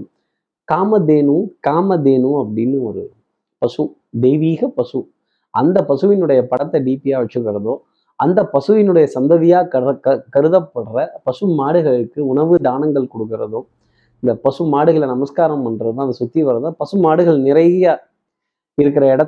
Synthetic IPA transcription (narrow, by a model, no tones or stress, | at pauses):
kaːmɐd̪eːnɯkaːmɐd̪eːnɯɐpːɐɽɪnːɯɔɾɯ̰ | pɐsɯ | d̪ɛjʋiːɣɐpɐsɯ | ʔɐnd̪ɐpɐsɯʋɪnɯɽɐjɐpɐɽɐt̪ːɐɖiːpijaːʋɐt͡ʃːɯkːɯɾɐðoː | ɐnd̪ɐpɐsɯʋɪnɯɽɐjɐsɐnd̪ɐðɪjaːkɐɐkɐɾɯðɐpːɐɽrɐpɐsɯmaːɽɯɣɐɭɯkːɯʊɳɐʋɯd̪aːnɐŋɡɐɭkɔɽɯkːɪɾɐðoː | ɪnd̪ɐpɐsɯmaːɽɯɣɐɭnɐmɐskaːɾɐmɐndɾɐðɯt̪ãːɐðɐsʊt̪ːiʋɐɾɐðãːpɐsɯmaːɽɯɣɐɭnɪɾɐɪjaː | ɪɾɯkːɪɾɐɪɽɐ